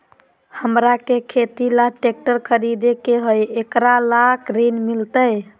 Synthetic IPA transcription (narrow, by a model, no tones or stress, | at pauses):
həmɾakekʰet̪ilaʈek̚ʈəɾkʰəɾid̪ekeɦojekɾalakʰɾinmilt̪əj